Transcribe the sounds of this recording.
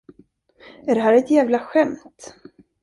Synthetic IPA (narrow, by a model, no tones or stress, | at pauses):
æɖɛɦæːɾɛt̪jæːvlaɧɛmt̪